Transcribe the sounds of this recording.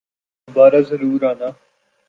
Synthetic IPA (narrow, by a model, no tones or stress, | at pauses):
baːɾaːzəɾuːɾaːnaː